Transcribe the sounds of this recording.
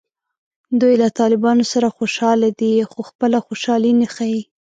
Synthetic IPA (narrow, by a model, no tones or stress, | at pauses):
d̪ujlat̪ɑlɪbɑnosaɾaxoʃɑlad̪ixoxpəlaxoʃɑlinaxaji